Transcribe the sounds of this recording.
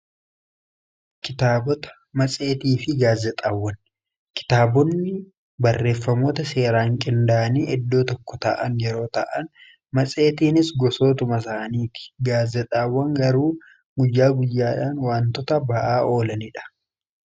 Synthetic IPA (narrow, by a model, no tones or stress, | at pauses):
kɪt̪aːbɔt̪ɐ̥ | mɐt͡sʼe̞ːt̪iːfɪɡaːzɛt̪ʼaːwːɐn | kɪ̥t̪aːbɔnːɪ | bɐrːe̞ːfːɐmoːt̪ɐse̞ːɾaːŋkʼɪnd̪aːniːʔɛd̪ːo̞ːt̪ɔkːɔt̪ɐ̰ʔɐ̰njɛɾo̞ːt̪ɐ̰ʔɐn | mɐt͡sʼe̞ːt̪iːnɪsɡɔso̞ːt̪ʊmɐs̬aːniːtɪ̥ɡaːzɛt̪ʼaːwːɐŋɡɐɾuː | ɡʊjːaːɡʊjːaːᶑaːnwaːnt̪ɔt̪ɐbɐʔaːʔo̞ːlɐnɪᶑɐ̥